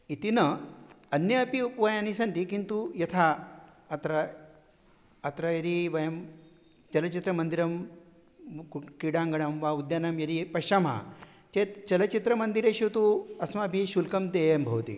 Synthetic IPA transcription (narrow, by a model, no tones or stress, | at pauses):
it̪inɐ | ɐnjɐɐpiupʋɐjanisɐnt̪ikint̪ujɐt̪ʰa | ɐt̪ɾɐ | t̪ɾɐjɐɾiʋɐjɐm | t͡ʃɐlɐt͡ʃit̪ɾɐmɐnd̪iɾɐm | kiɽaːŋɡɐɽɐmʋaud̪janɐmjɐɾipɐʃɐma̰t͡ʃet̪t͡ʃɐlɐt͡ʃit̪ɾɐmɐnd̪iɾeʃut̪uɐsmabʱiʃulkɐmd̪eːjɐmbʱɐʋt̪ḭ